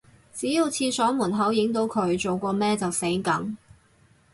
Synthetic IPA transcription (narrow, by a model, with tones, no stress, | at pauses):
t͡siː˨˥ji˧wt͡sʰiː˧sɔː˨˥muː˨˩nɦɐ˨˥wjɪ˨˥ŋt̪o˨˥wkʰɵ˨˧˥ɥt͡so˨wkʷɔː˧mɛː˥t͡sɐ˨wse˨˥kɐ˨˥ŋ